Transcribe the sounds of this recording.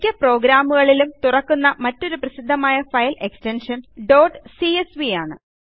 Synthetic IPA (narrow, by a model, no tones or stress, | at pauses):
kʲːɐpro̞ːɡɾaːmuɣɐɭilumt̪urɐkːunːɐmɐtːo̞ɾuprɐsid̪ʱːɐmaːjɐfɐjle̞kstenʂɐnɖo̞ːɖsiesʋijaːɳɨ̰